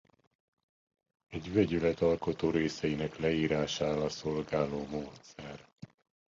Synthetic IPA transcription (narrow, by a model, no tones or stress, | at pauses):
ɛɟvɛɟylɛt̪ɒlko̞t̪oːɾeːsɛjinɛklɛiːɾaːʃaːlɒso̞lɡaːloːmoːt̪sɛr